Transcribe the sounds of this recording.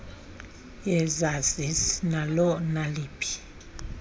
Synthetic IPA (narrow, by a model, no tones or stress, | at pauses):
jɛzazisnalɔnaliːpʼʰi̥